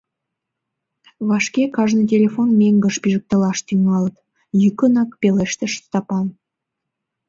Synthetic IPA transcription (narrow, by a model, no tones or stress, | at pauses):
βɑʃkekɑʒnət̪ʲelʲefonmeŋɡə̆ʃpiʒə̆k̚t̪ə̆lɑʃt̪yŋɑlət̪ | jykənɑkpeleʃt̪ĕʃst̪ɑpɑn